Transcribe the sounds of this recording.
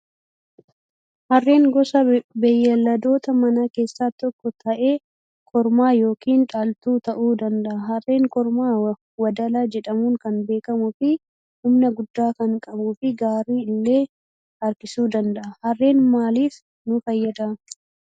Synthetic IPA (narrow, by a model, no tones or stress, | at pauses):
hɐrːe̞ːŋɡɔsɐbɛjːɐlːɐd̪o̞ːt̪ɐmɐnake̞ːsːaːt̪ɔkːɔt̪ʰɐʔe̞ː | kʰɔɾmaːjo̞ːkiːnᶑaːlt̪uːt̪ɐʔuːd̪ɐnd̪ɐʔɐhɐrːe̞ːŋkɔɾmaː | wɐd̪ɐlaːd͡ʒɛᶑɐmuːŋkɐnbe̞ːkɐmʊfɪ | hʊmnɐɡʊd̪ːaːkɐŋkʼɐbuːfɪɡaːɾiːɪlːe̞ː | ɐɾkɪsuːd̪ɐnd̪ɐʔɐhɐrːe̞ːnmaːliːf | nʊfɐjːɐd̪ɐʔɐ